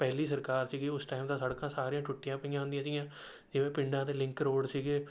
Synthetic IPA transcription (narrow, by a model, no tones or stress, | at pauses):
pɛːliːsəɾkaːɾsiːɡeːʊsʈaːɪmt̪ãːsəɽkãːsaːɾijãːʈʰʊʈːɪjãːpəɪjãɦʊ̃nd̪iãːsijãː | d͡ʒɪʋẽːpɪɳɖãːt̪eːlɪ̃ŋkɾoːɽsiːɡeː